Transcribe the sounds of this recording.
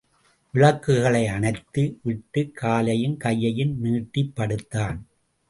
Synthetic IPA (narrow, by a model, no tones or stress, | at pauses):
ʋɪɭɐkːɯɣɐɭɐɪɐnɐɪt̪ːɯʋɪʈːɯkʰːaːlɐjɪnkɐjːɐjɪnniːʈːipːɐɽɯt̪ːaːn